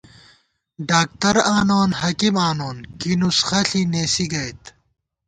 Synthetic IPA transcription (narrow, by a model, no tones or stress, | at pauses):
ɖaːk̚t̪ɐɾaːnoːnhɐkimaːnoːnkinusxɐɬineːsiɡɐjt̪